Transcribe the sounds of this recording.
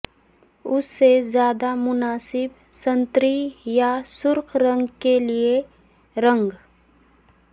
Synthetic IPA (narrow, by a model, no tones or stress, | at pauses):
ʊsːezjaːd̪amʊnaːsɪb | sə̃nt̪ɾijasʊɾkɾə̃ŋɡkelie | ɾə̃ŋɡ